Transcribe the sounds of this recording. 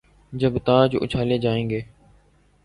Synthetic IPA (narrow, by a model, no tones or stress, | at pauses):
d͡ʒəbt̪ãːd͡ʒʔʊ̰t͡ʃʰaːleːd͡ʒaːẽːŋɡeː